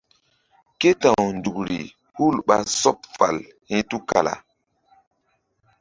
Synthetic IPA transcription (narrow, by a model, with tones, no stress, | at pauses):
ke˦tã˨wndu˨kɾḭ˨ | hu˦lɓa˨sɔ˦p̚fa˨l | hĩ˦tu˦ka˨la̰˨